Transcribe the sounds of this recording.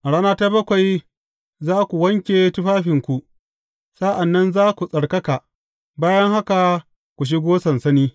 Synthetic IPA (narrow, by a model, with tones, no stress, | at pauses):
ʔa˨ɽaː˦naː˦ta˦bɐ˦kʷa˨j | zaː˦kʷu˨wɐ˦ŋkʲeː˨tʊ˦ɸaː˦ɸɪ˨ŋkʷu˨ | sa˦ʔa˨nːɐ˦nzaː˦kʷu˨sʼɐ˨ɽkɐ˦ka˨ | baː˦jɐ˦ŋha˦ka˨ | kʷu˨ʃ̬i˦ɡʷoː˦sɐ˨nsɐ˦niː˦